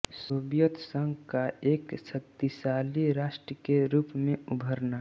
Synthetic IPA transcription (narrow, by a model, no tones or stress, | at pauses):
soːbjət̪ʰsə̃ŋɡkaeːksək̚t̪isaːliɾaːʃʈɾəkeɾuːpmẽubʱəɾna